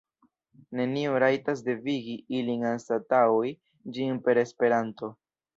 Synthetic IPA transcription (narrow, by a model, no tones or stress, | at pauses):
ne̞nioɾajtas̬de̞viɡiilinanstataoj | d͡ʒinpe̞ɾe̞spe̞ɾanto̞